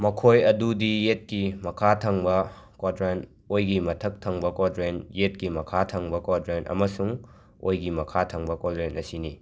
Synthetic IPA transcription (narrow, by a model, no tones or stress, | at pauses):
mɐkʰojɐdudijet̚kimɐkʰatʰɐŋbɐ | kwadɾen | ojɡimɐtʰɐk̚tʰɐŋbɐkwadɾenjet̚kimɐkʰatʰɐŋbɐkwadɾenʔɐ̰mɐsuŋ | o̰jɡimɐkʰatʰɐŋbɐkwadɾenʔɐsini